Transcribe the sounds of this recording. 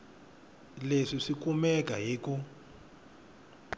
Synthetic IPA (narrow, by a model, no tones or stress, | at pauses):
leʂiʂikumɛk̬ʼaɦiːku